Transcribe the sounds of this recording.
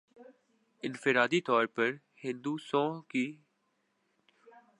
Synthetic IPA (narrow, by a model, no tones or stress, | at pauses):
ɪ̃nfɪɾaːd̪it̪ɔːɾpəɾ | hɪ̃nd̪uːsɔ̃ːɦkiː